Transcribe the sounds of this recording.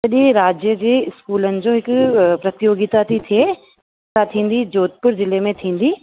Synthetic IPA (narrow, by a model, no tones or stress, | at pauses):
sɐɗẽɾaːd͡ʑjəd͡ʑeːɪskuːlənɪ̆d͡ʑoːɦɪkʊpɾɐt̪joːɡit̪at̪ʰit̪ʰie | sat̪ʰĩːn̆d̪id͡ʑoːt̪̚pʊɾzɪlemẽt̪ʰĩːn̆d̪i